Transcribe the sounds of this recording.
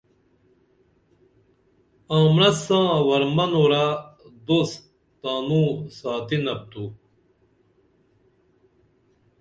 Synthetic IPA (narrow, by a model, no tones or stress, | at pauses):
ãːmɾɐsãːwɐɾmɐnoɾad̪os | t̪aːnũːsaːt̪inɐp̚t̪uː